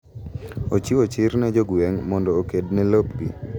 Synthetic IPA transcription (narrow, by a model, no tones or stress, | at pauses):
ot͡ʃiwot͡ʃɪɾnɛd͡ʒoɡweŋmɔndɔːked̚nɛlopɡḭ